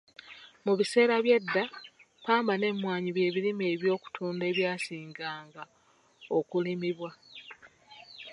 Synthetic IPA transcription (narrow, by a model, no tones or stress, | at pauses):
muβise̞ːɾaβje̞dːa | paːmbane̞mwaːɲiβje̞ːβilime̞ːβjo̞ːku̥tʰuːnde̞ːβjaːsiːŋɡaːŋɡa | okulimiβwa